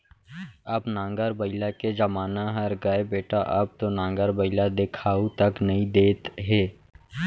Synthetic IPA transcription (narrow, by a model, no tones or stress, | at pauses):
ɐbnãːŋɡəɾbəɪlaked͡ʒəmaːnaɦɐɾɡɐebeːʈaʔɐb̚t̪onãːŋɡəɾbəɪlad̪ɪkʰaːut̪ɐknɐɦĩd̪eːt̪ɦɛː